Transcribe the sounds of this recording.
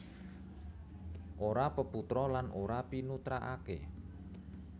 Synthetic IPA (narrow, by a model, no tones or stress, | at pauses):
ʔoɾapəput̪ɾɔlanʔoɾapinut̪ɾaʔakḛ